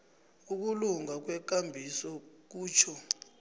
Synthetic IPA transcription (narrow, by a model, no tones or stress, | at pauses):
uk̬uluŋak̬wɛk̬ʼambʱisɔk̬uːt͡ʃʰɔ